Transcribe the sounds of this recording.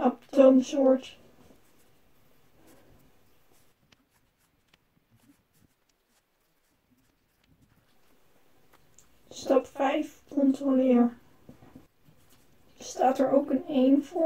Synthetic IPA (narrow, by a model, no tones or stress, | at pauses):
ɑp̚towmsʊːɹt | stɑpfɛjfkɔntrolɪːɹ | staːtɛɹʔowkənejnvɔ